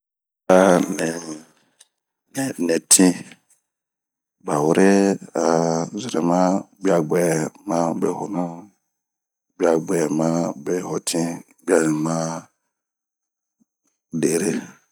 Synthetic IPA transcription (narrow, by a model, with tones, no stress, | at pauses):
a˦nɪ˨ | nɛ˨nɛ̃˨tʰĩ˦ | ba˨wʊ˦ɾɪ˦a˨zɪ˨ɾɛ̰˨mã˦ɡ͡bi˦a˨ɡ͡bɛ˨mã˦bɛ˨hɔ˨nã˦ | ɡ͡bi˦a˨ɡ͡bɛ˨mã˦bɛ˨hɔ˨tʰĩ˦ | ɡ͡bi˦a˨nɪ̃˨mã˦ | de˨ɾe˦